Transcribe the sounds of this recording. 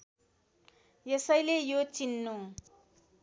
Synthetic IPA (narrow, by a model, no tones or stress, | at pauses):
jʌsʌjlejot͡sinːu